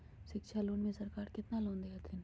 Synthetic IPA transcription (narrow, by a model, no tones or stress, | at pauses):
ʃɪkʃʰaloːnmẽsɐɾkaːɾkɪt̪naloːnd̪eɦat̪ʰɪn